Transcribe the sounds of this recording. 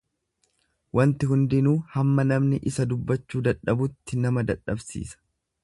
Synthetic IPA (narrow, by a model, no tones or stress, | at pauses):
wɐnt̪ɪhʊnd̪ɪnuːhɐmːɐnɐmnɪʔɪsɐd̪ʊbːɐt͡ʃːuːd̪ɐᶑɐbʊt̪ːɪnɐmɐd̪ɐᶑɐbsḭːsɐ̥